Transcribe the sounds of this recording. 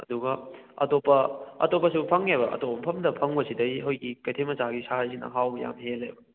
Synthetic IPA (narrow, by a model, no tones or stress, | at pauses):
ɐ̰duɡɐɐ̰topːɐɐ̰topːɐsupʰɐŋebɐʔɐ̰topːɐmpʰɐmdɐpʰɐŋbɐsidɐjɦojɡikɐjtʰemɐsaɡisaɾs̬inɐ̰ɦawbɐja̰mɦelebɐ